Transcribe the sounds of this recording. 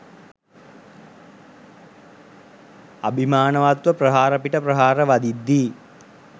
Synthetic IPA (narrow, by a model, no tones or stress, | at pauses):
a̰bʱimaːnəʋat̪ʋəprəɦaːɾɐpiʈəprəɦaːɾəʋad̪id̪ːiː